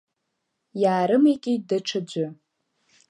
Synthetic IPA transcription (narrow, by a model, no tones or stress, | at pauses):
jaːɾɨmikʲʼɪdɨʈ͡ʂʰad͡ʒʷʊ